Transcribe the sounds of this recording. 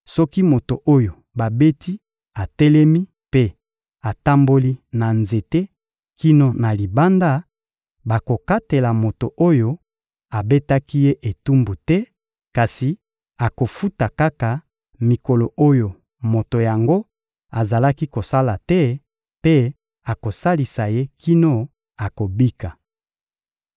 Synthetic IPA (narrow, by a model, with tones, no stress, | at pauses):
sɔ˦ki˦mo˨to˨ʔo˦jo˨ | ba˨be˦ti˦ | a˨tɛ˦lɛ˦mi˦ | pe˦ | a˨ta˦mbo˦li˦na˨nze˨te˦ | ki˦no˨na˨li˨ba˦nda˦ | ba˨ko˨ka˦te˨la˨mo˨to˨ʔo˦jo˦ | a˨be˦ta˦ki˦je˦ʔe˨tu˦mbu˨tɛ˦ | ka˨si˨ | a˨ko˨fu˦ta˨ka˦ka˨ | mi˨ko˨lo˨o˦jo˨ | mo˨to˨ja˨ŋɡo˦ | a˨za˨la˦ki˦ko˨sa˦la˨tɛ˦ | pe˦ | a˨ko˨sa˦li˨sa˨je˦kʰi˦no˦ | a˨ko˨bi˦ka˨